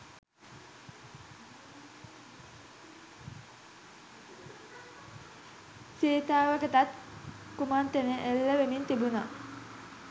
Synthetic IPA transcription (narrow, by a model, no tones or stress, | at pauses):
seːt̪aːʋəkət̪at̪ | kumant̪eneʔelːəʋemint̪ibuna